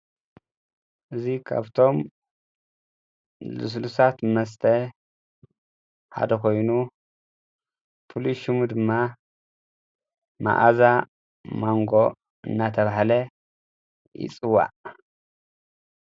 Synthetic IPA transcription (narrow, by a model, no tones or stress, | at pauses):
ʔɨzikʰa̰βt̪ʰo̞m | lṵs̬lusat̪mɐs̬t̪ʰɐ | ħa̰d̪ɐkʰo̞jnu | fuluʃimud̪ɨmːa | ma̰ʔaza | maŋɡo̞ | ɨ̰nːat̪ʰɐβaħalɐ | jɪ̰t͡sʼɨwa̰